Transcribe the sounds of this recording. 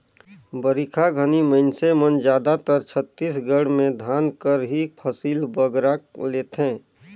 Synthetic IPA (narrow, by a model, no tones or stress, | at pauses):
bəɾikʰaɡʱəniməɪnsemənd͡ʒjaːd̪at̪əɾt͡ʃʰət̪ːiːsɡəɽmẽd̪ʱaːnkəɾɦipʰəsiːlbəɡɾaleːt̪ɦẽː